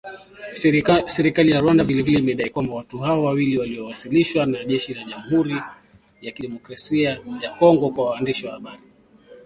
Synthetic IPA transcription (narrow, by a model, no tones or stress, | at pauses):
sɛɾikalijaɾwandavilɛvilɛimɛɗaikwambawatuhaɔwawiliwaliɔwasiliʃwanaʄɛʃilaʄamuhuɾi | jakiɗɛmɔkɾasiajakɔŋɡɔkwawaːndiʃiwahaɓaɾi